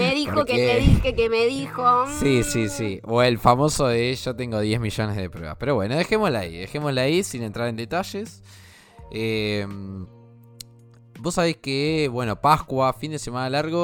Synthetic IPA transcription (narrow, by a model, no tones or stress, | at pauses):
meðixokeeðixekemeðixosisisioelfamo̞soeʃot̪e̞ŋɡoðjezmiʒo̞nezðepɾweβa̰pe̞ɾo̞βwe̞noðe̞xe̞moslaḭðexe̞moslaisinent̪ɾaɾe̞nd̪e̞t̪aʃes | em | bo̞sːaβ̞eskeβwe̞no̞pakwafind̪ese̞manalaɾɣo